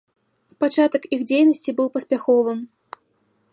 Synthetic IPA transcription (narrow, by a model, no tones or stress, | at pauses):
pat͡ʂat̪ɐkixd͡zʲejnɐsʲt͡sʲibɨwpɐsʲpʲaxɔvɨm